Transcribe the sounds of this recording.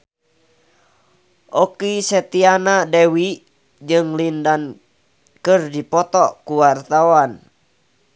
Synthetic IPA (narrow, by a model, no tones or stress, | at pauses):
ʔɔkisɛt̪ianadɛwi | d͡ʒɨŋlindan | kɨrdipɔt̪ɔkuwart̪awan